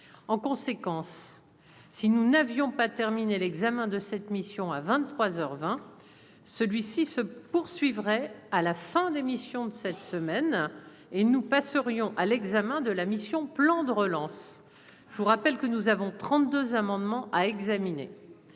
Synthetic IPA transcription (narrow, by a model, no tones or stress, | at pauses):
ɑ̃kɔ̃sekɑ̃sː | inunavjɔ̃pat̪ɛʁminelɛɡzamɛ̃d̪əsɛt̪misjɔ̃avɛ̃t̪t̪ːχwazœʁvɛ̃ | səlɥisisəpuʁsɥivʁɛalafɛ̃d̪emisjɔ̃d̪əsɛt̪səmɛn | enupasəʁjɔ̃ʔalɛɡzamɛ̃d̪əlamisjɔ̃plɑ̃d̪əʁəlɑ̃s | ʒuʁapɛlkənuzavɔ̃t̪χɑ̃t̪̚d̪øzamɑ̃d̪mɑ̃ʔaɛɡzaminḛ